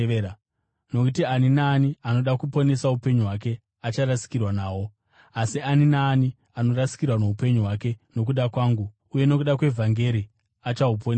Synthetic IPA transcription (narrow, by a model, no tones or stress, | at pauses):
no̞kutianinaːniano̞ɗakupo̞ne̞saupe̞ɲuɦwak̬e̞ | at͡ʃaɾasi̥kirwanaːwo̞ | asianinaːni | ano̞rasi̥kirwano̞upe̞ɲuɦwake̞no̞k̬uɗakwaːŋɡu | uje̞no̞kuɗakwe̞vʱaŋɡe̞ɾi | at͡ʃaupone